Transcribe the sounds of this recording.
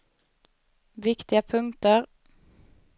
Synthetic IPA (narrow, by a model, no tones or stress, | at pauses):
ʋɪkt̪ɪəpʰʉŋt̪əʁ